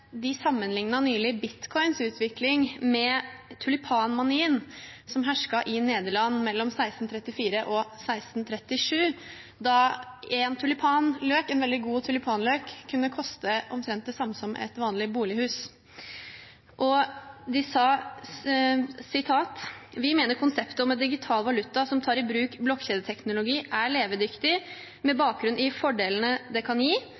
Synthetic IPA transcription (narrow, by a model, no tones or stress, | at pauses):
d̪ɪsɑmːənlɪŋnɑnyːlɪbɪt̪kʰɔɪnsʉːt̪ʰʋɪklɪŋmɛt̪ʰʉlɪpʰɑːnmɑniːənsɔmɦæʂkɑʔɪneːd̪əɭɑnːmɛlːɔmsæɪst̪n̩t̪ʰɾɛt̪ːɪfiːɾəʔɔsæɪst̪n̩t̪ʰɾɛt̪ːɪʂʉː | d̪ɑɛnt̪ʰʉlɪpʰɑːnløːkɛnʋɛld̪ɪɡuːt̪ʰʉlɪpʰɑːnløːkʰːʉnːəkʰɔst̪əʔɔ̰mt̪ʰɾɛnt̪d̪ɛsɑmːəsɔmːɛ̰t̪ʋɑːnlɪbuːlɪhʉːs | ʔɔd̪ɪsɑ | sɪt̪ʰɑːt̪ʋɪmeːnəɾkʰʊnsɛpt̪əɔmɛd̪ɪɡɪt̪ʰɑːlʋɑlʉt̪ːɑsɔmt̪ʰɑːɾɪbɾʉːkblɔkçeːd̪ət̪ʰɛknʊlʊɡiːʔæɭeːʋəd̪ʏkt̪ɪ | mɛbɑːk̚ɡɾʉnɪfɔɖeːln̩əd̪ɛkʰɑnjiː